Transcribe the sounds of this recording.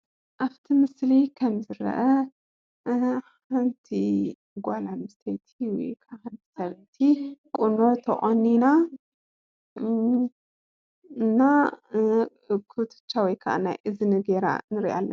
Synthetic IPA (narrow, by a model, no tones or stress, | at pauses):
ʔaβt̪ʰimɨslikʰɐmzɨɾɐ̰ʔɐ | ħant̪ʰi | ɡʷalamɨst̪ʰet̪ʰiwɔ̰jkʰaʔaħant̪ʰi̥sɐβt̪ʰikʼunot̪ʰɐʔʼonːina | ɨnːa | kʰɨt̪ʰɨ̥t͡ʃːawɔjkʰɐʔa̰na̰jʔɨzɨnɨɡeɾa̰nɨɾḭʔa̰lːɐ̰